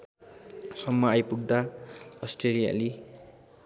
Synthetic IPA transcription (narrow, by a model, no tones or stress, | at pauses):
sʌmːʌajpuɡ̚d̪aʌsʈrelija̰li